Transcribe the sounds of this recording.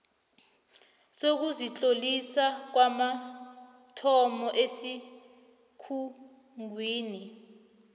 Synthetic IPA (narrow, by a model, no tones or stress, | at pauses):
sok̬uzit͡ɬʼolisak̬wama | tʰɔmɔʔesi | kʰu | ŋwiːni